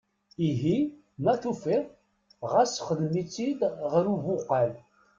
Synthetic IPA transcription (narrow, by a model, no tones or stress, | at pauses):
iɦi | mæθufiðˤ | ʁæsχəðmit͡sːid̪ʁəɾuvʊqːæl